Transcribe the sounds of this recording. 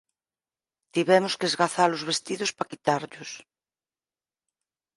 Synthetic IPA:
t̪iβɛmʊskeezɣaθalʊzβest̪iðʊspakit̪aɾʎʊs

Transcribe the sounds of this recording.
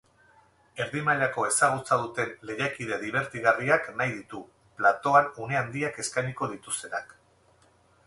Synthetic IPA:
e̞ɾðimaʎako̞e̞saɣ̞ut͡sað̞ut̪e̞nle̞jakið̞e̞ðiβ̞e̞ɾt̪iɣariaknajðit̪u | plat̪o̞anune̞and̪iake̞skajniko̞ðit̪ust̪e̞nak

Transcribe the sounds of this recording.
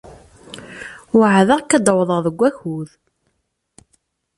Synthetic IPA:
wʕðəʁkːæd̪əwðˤəðˤəɡʷːæçuð

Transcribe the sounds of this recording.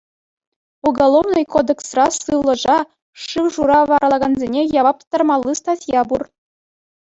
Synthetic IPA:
uɡɑlˠoʋnɤ̆jkod̪eksrɑsɯlˠɤ̆ʐɑ | ʂɯwʐuɾɑʋɑɾɑlˠɑɡɑnzʲenʲejɑʋɑp̪̚t̪ːɑrmɑlˠːist̪ɑtʲjɑbur

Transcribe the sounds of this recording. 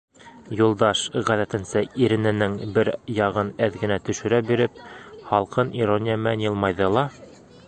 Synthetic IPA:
julˠd̪ɑʃʁæðæt̪ɘ̆nsɘiɾɘ̆nɘ̆nɘŋbɘɾjɑʁɤnæðɡɘ̆næt̪ɵ̆ʃɵ̆ɾæbiɾɘp̚χɑlˠqɤniɾonʲɪjmænjɤ̆lˠmɑjðɤ̆lˠɑ

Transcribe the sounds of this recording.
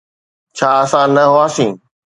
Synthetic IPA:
t͡ɕʰaːɐsãːnɐɦʊaːsĩː

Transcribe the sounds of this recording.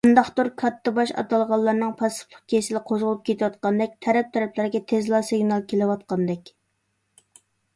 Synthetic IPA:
nd̪ɑχt̪uɾkʰɑt̪ʰːɨbɑʃɑ̰t̪ɑlˠʁɑlˠːɑɾnɨŋpʰɑspʰʊ̥χk̪ʲʰesɪlɪqʰozʁʊlˠup̚kʲʰet̪ʰɪwɑt̪̚qɑnd̪ɛk̚ʲt̪ʰɛɾɛp̚t̪ʰɛɾɛpʰlɪɾɪɡʲɛt̪ʰezlˠɑsɪɡnɑlˠkʲʰelɪwɑt̪̚qɑnd̪ɛkʲ

